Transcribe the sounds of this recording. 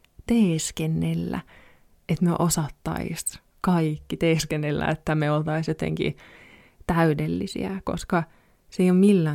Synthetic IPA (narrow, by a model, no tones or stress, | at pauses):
t̪eːskenːelːæ̰ | et̪mḛʔosɑt̪ːɑ̰ḭs | kɑikːit̪eːskenːelːæ̰et̪ːæmeolt̪ɑisjot̪ḛŋkḭ | t̪æydelːisḭæ̰ko̰skɑ | seijommilːæː